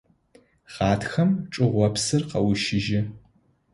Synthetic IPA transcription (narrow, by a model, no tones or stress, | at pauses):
ʁɑːtxɐmʈ͡ʂʼɨʁʷɔpsɨrqɐwʊʃɪʒɪ